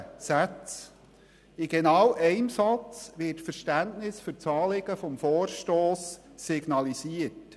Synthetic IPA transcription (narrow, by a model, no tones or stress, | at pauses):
sæt͡s | ɪɡ̥enɑwʔɛɪmsɑt͡sʋɪtfəɾʃtæntnɪsfɵɾt͡sɑːlɪɡəfɔmfɔːrʃtoːsːɪɡnɑlisiət